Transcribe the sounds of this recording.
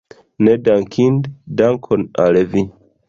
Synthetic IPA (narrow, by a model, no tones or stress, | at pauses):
nedaŋkʰinddaŋkʰona̰levi